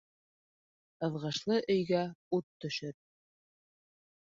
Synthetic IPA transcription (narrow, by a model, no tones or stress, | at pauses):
ɤ̆ðʁɤ̆ʃlˠɤʔɵ̆jɡæut̪ːɵ̆ʃɵɾ